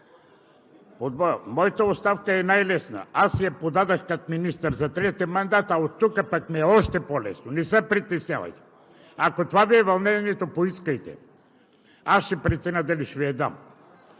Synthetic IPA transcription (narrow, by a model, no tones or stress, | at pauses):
pod̪vɔmɔjt̪aost̪afkaɛnajlɛsna̰asjapod̪ad̪axkat̪minist̪aɾzat̪ɾɛt̪ɛmand̪at̪aot̪ːukapakmɛɛɔʃt̪ɛpolɛ̰snonisɛpɾit̪ɛsɲʲava̰jt̪ɛ̥ | akot̪ovaviɛvalˠnɛniɛt̪opoiskajt̪ɛ̰ | aʃɛpɾɛt̪sɛnad̪aliʃviɛd̪am